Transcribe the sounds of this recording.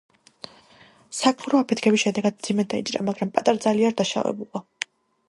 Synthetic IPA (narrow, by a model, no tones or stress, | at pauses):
sakʰʼmuɾɔapʰɛt̪ʰkʰɛbisʃɛd̪ɛɡad̪̚md̪z̥imɛd̪aḭt͡ʃʼɾa̰maɡɾampʼat̪ʼaɾad̪zaliaɾd̪aʃa̰vɛ̰bulˠa